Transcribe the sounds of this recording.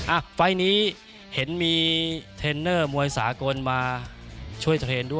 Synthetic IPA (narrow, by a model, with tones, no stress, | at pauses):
ʔa˧˩fa˧jniː˦˥ | he˩˦nmiː˧t̪ʰeː˧nːɤː˥˩mu˧əjsaː˩˦ko˧nmaː˧ | t͡ɕʰu˥˩əjt̪ʰɾeː˧ndu˥˩əj